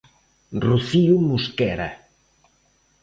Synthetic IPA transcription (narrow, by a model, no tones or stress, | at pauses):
ruθiumuskɛɾɐ̰